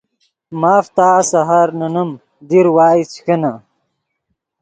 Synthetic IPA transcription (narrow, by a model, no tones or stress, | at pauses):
maːft̪aːsɐɦaɾnɐnɐm | d̪iɾwaːit͡ɕxɐna